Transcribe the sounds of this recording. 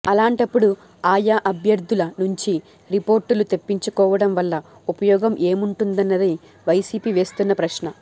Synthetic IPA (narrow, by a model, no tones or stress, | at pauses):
ɐlaːɳʈɐpːuɽu | aːjaʔɐbʱjɐɾd̪ʱulɐnuɲt͡ʃi | ɾipo̞ːɾʈulut̪e̞pːiɲt͡ʃukɔːʋɐɽɐmʋɐlːɐ | upɐjɔːɡɐmʔe̞ːmuɳʈund̪ɐnːɐd̪i | ʋɐjsiːpiːʋe̞ːst̪unːɐpɾɐʃnɐ